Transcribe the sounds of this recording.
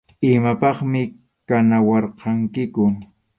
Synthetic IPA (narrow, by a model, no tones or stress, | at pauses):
ɪmapɑχmɪ | kanawɑɾqʰɑŋkɪkʊ